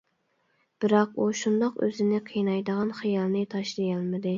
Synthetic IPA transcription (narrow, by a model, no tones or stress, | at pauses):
b̥ɪɾɑquʃund̪ɑqø̰zɪnɪqʰijnɑjd̪əʁɑnχɨjɑlˠnɨt̪ʰɑʃlˠijɑlˠmɨd̪ɨ